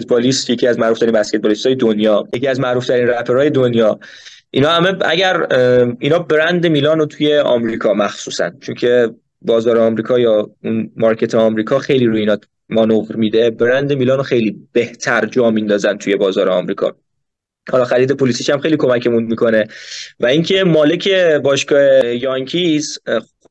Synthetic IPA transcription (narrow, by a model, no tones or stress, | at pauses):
et̪̚bɒlist̪je̞cʰiæzmæʔɾuːft̪æɾinbæskʲet̪̚bɒːlist̪ɒːjed̪onjɒːjeciæzmæʔɾuːft̪ʰæɾiːnræpʰeɾɒːje̞d̪onjɒː | ʔinɒːhæme̞æ̰ɟæɾinɒːbɾænd̪emiːlɒːnot̪ʰuje̞ɒ̰mɾikʰɒːmæxsusæ̰nt͡ʃʰoncʰe̞ | bɒːzɒːɾeɒmɾiːkʰɒːjɒːunmɒɾcʰet̪ʰeɒmɾiːkʰɒːxe̞jliɾoiːnɒː | mɒnovɾmid̪e̞beɾænd̪e̞miːlɒːnoxe̞jliːb̥e̞ht̪ʰæɾd͡ʒɒːmind̪ɒːzænt̪ʰujebɒːzɒːɾeɒ̰mɾiːkʰɒ̰ | hɒlɒːxæɾiːd̪e̞pʰolisiʃæmxejlikʰo̞mæcʰemunmikʰo̞ne̞væiŋcʰe̞mɒːle̞cʰe̞bɒːʃkɒːhe̞jɒŋcʰis